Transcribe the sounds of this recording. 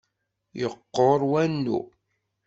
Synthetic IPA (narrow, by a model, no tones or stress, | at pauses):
jəqːoɾˤwænːṵ